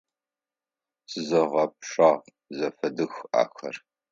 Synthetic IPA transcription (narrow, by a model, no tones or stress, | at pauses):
sɨzɐʁɐp̚ʂaːʁ | zɐfɐdɨxʔa̰ːxɐ̰r